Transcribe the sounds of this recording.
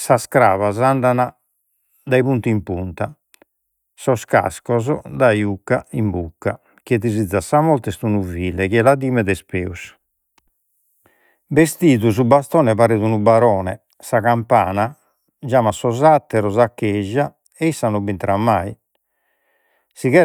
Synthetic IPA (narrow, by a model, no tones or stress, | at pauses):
saskɾa̰ːvazand̪ana | d̪aiβunt̪iimpunt̪a | sɔska̰skɔzɔd̪ajukːaimbukːa | kɛðizid̪zːasamɔlt̪ɛst̪unuviːlɛkiɛlaðiːmɛðɛspḛːus | best̪iːðusubast̪ɔːnɛβaɾeðunubaɾɔːnɛ̰ | saɣampaːna | d͡ʒaːmasɔzat̪ːɛɾɔzakːɛʒːa | ɛisːanɔbint̪ɾamːai | siɣɛ